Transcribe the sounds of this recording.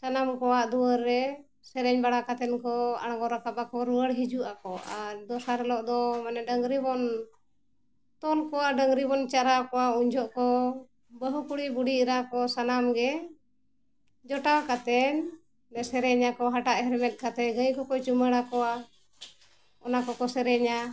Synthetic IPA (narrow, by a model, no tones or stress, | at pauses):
sanamkɔwaʔd̪uwəɾːɛ | sɛɾɛɲbaɽakat̪ɛnkɔa̰ɽɡɔɾakapakɔɾuwəɽɦid͡ʒuʔakɔaɾd̪ɔsaɾɛlɔʔd̪ɔmanɛɖəŋɡɾibɔn | t̪ɔnkɔwaʔɖəŋɡɾibɔnt͡ʃaɾakɔwauɲd͡ʒɔʔkɔ | bəɦukuɽibuɖiʔɾakɔsanamɡɛ | d͡ʒɔʈakat̪ɛɲ | nɛsɛɾɛɲakɔɦaʈaʔɦɛɾɛmɛt̪̚ˀkat̪ɛɡəjkɔkɔt͡ʃuməɽakɔa | ɔnakɔkɔsɛɾɛɲa